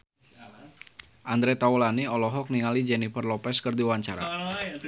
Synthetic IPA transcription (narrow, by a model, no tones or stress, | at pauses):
ʔand̪ɾɛt̪aɔlaniɔlɔɦɔk̚niŋalid͡ʒɛnifərlɔpɛskɨrdiwaɲt͡ʃaɾa̰